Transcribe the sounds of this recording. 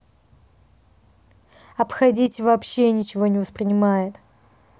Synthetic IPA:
ɐpxɐdʲitʲvɐːpɕːenʲɪt͡ɕɪvo̞nʲɪvəspɾʲɪnʲɪmajɪt̪

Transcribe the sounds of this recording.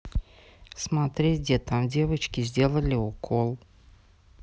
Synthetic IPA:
smat̪ɾʲeɡʲdʲet̪amdʲevət͡ɕkʲɪzʲdʲe̞lˠəlʲɪɔkʰolˠ

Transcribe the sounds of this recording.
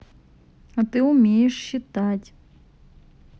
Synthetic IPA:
ɐt̪ɪʊmʲejeʂɕɪt̪atʲ

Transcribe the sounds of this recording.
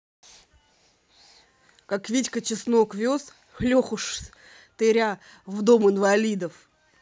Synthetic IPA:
kakvʲitʲkət͡ɕɪsnokvʲos | lʲoxʊʂ | t̪ɨɾʲa | vd̪o̞mɨnvɐlʲid̪əf

